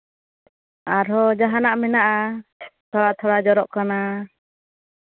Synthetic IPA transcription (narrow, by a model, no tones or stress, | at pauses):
aɾɔd͡ʒaɦanaʔmɛnaʔat̪ʰɔɽaʔt̪ʰɔɽad͡ʒɔɾɔʔkana